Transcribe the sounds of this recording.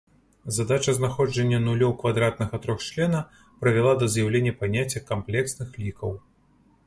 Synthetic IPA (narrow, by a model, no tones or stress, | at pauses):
zad̪at͡ʂɐznaxɔd͡ʐɐnʲːɐnulʲɔwkvad̪ɾat̪nɐɣɐt̪ɾɔxt͡ʂlʲɛnɐ | pɾɐvʲɛlˠad̪ɐzjawlʲenʲːɐpanʲat͡sʲːɐkamplʲɛksnɨxlʲikɐw